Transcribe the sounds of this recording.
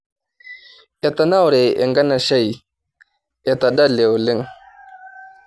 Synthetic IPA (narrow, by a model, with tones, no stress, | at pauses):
ʔe˨ta˨na˦˨wɾe˨ʔɪ̰˨ŋɡa˦na˨ʃa˦˨j | e˨ta˨ɗa˦˨le˨wlɪ˦ŋ